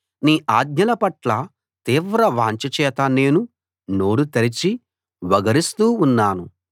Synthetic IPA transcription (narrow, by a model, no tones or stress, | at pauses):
niːʔaːd̪ɲɐlɐpɐʈlɐ | t̪iːʋɾɐʋa̰ːɲt͡ʃɐt͡ʃɛːt̪ɐne̞ːnu | noːɽut̪ɐɾit͡ʃi | ʋɐɡɐɾist̪uːunːaːnu